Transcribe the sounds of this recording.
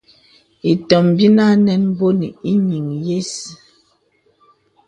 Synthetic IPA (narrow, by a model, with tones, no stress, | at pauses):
i˨tɔ˨mbi˦na˦nɛ˦n˦bo˦ni˨i˦ɲi˨ŋje˦s